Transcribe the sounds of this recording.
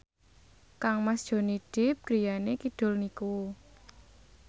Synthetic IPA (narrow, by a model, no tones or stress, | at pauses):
kaŋmasd̥ʒ̥o̤niɖ̥ɪp̚ɡ̥ɾi̤janekid̥ʊ̤lniko